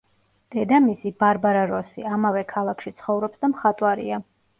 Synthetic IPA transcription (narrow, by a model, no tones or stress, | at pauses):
d̪̥ɛd̪amisibaɾbaɾaɾɔsiamavɛkʰalˠakʰʃit̪sʰχɔvɾɔpsd̪amχat̪ʼwaɾḭa